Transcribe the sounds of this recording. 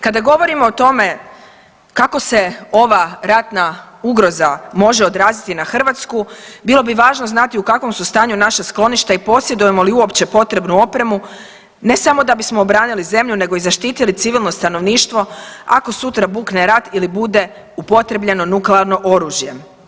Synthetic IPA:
kad̪aɡo̞ʋo̞ɾimo̞ːt̪o̞me̞ | kako̞se̞o̞ʋaɾat̪na | uɡɾo̞zamo̞ʒeo̞d̪ɾaːzit̪inaxr̩ʋat̪skubilˠo̞biʋaːʒnoznat̪iukakʋo̞msust̪aːɲunaʃasklˠo̞niʃt̪aipo̞sje̞d̪uje̞mo̞liuo̞pt͡ɕe̞po̞t̪ɾe̞bnuo̞pɾe̞mu | ne̞samo̞d̪abismo̞ːbɾaːnilize̞mʎune̞ɡo̞izaʃt̪iːt̪ilit̪siʋilˠno̞st̪ano̞ʋniːʃt̪ʋo̞ako̞sut̪ɾabuːkneɾat̪ilibud̪e̞ | upo̞t̪ɾe̞bʎe̞no̞nukleaɾno̞ʔo̞ɾuːʒje̞

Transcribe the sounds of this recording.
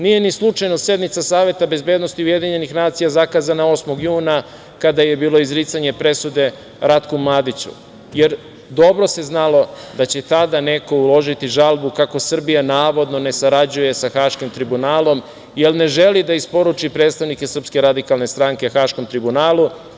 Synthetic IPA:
nije̞nislˠut͡ʃajnosje̞d̪nit̪sasaːʋje̞t̪abe̞zbe̞ːd̪no̞st̪iuje̞d̪iɲe̞nixnaːt̪sijazakaːzanao̞smo̞ɡjuːna | kad̪aje̞biːlˠo̞izɾiːt̪saɲe̞pɾe̞sud̪e̞ | ɾat̪kumlˠaːd̪it͡ɕṵ | jeɾ | d̪o̞bɾo̞se̞znalo̞d̪at͡ɕe̞t̪ad̪ane̞ko̞ulˠo̞ʒit̪iʒalˠbukako̞sr̩bijanaːʋo̞d̪no̞ne̞saɾad͡ʑuje̞saxaːʃkimt̪ɾibunaːlo̞m | jelne̞ʒe̞lid̪aispo̞ɾut͡ʃipɾet̪st̪aʋnikesr̩pske̞ɾad̪ikalne̞st̪ɾaŋkexaʃko̞mt̪ɾibunaːlu

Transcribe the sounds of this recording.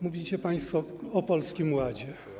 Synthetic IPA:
muvʲit͡ɕɛpaj̃st̪fɔɔpɔlskʲimwad͡ʑɛ

